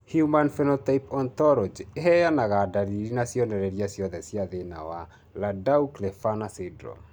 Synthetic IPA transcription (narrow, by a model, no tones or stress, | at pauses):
hjumanfɛnɔtaipɔntɔɾɔd͡ʒeɦɛjanaɣadaɾiɾinasjɔnɛɾɛɾjasjɔðɛsjaðena̰wa | ladauklɛfanasedɾɔ̰